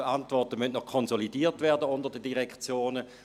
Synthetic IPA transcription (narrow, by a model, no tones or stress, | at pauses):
antvɔtəmœntnɔχkʰɔnzolidiːɐtvɛːɐdəʊndəʁdədiʁɛkt͡sjoːnə